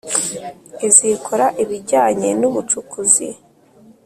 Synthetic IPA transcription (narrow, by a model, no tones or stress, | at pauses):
ezikʰoɾaʔiβiɟaːɲe̞nuβut͡ʃukuzi